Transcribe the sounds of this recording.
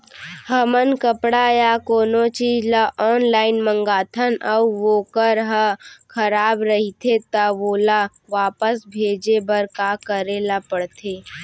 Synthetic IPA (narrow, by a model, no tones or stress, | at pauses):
həmənkəpɽajakoːnot͡ʃiːd͡ʒlaʔɔːnlaːɪnmə̃ŋɡaːt̪ʰənʔɐuʋoːkəɾɦəkʰəɾaːbɾəɦit̪ʰet̪aʋoːla | ʋaːpəsbʱeːd͡ʒebəɾkaːkəɾelapəɽt̪ʰeː